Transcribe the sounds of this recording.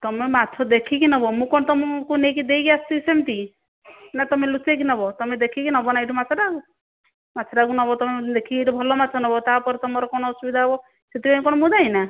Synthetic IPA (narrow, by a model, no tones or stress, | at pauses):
t̪ɔmemat̪ʰɔd̪ekʰikinɔbɔmũkɔnɔt̪ɔmɔkunekid̪ejɡjast̪isemt̪i | nat̪ɔmelusek̬inɔbɔt̪ɔmed̪ekʰikinɔɦbɔnaeʈumat̪ʰɔɖaɡu | mat̪ʰɔɖaɡunɔɦbɔt̪ɔmed̪ekʰikieʈubʱɔlɔmat̪ʰɔnɔbɔt̪apɔɾt̪ɔmɔɾɔkɔñɔːsubid̪ʱaɔbɔ | set̪ibmkɔñɔmũd̪aina